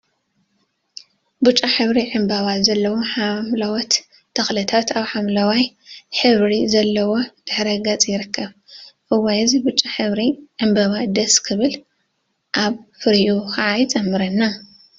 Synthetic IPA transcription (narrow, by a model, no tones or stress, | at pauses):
but͡ʃʼːaħɨβɾiʕɨmbɐβazɐlːɐwoħamlawɐt̪ːʰ | ɐxlɨt̪ʰat̪aβħamlɐwaj | ħɨβɾizɐlːɐwo̞d̪̥ɨħɾɐɡɐt͡sʼjɪɾɨkːɐβ | ʔɨwːɐjɨzibut͡ʃʼaħɨβɾiʕɨmbɐβad̪ɐskʰɨβɨl | ʔaβfɨɾjuxaʕajt͡sʼɐmːɨɾɐnːa